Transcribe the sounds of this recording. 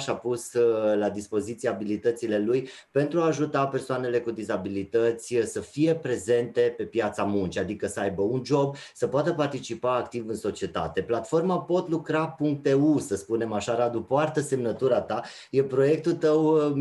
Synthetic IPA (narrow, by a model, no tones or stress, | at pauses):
ʃapuslad̪ispo̞zit̪sieaabilit̪ət̪sile̞luj | pe̞nt̪ɾuaːʒut̪ape̞rsoane̞le̞kud̪izabilit̪ət̪sʲsəfije̞pɾe̞ze̞nt̪e̞pe̞pjat̪samunt͡ʃiad̪ikəsəajbəund͡ʒo̞bsəpoat̪əpart̪it͡ʃipaːkt̪ivɨnso̞t͡ʃie̞t̪a̰t̪e̞plat̪fo̞rmapo̞t̪lukɾapuŋk̚t̪eusəspune̞maʃaɾad̪upoart̪əse̞mnət̪uɾat̪a | jepɾo̞je̞k̚t̪ult̪əw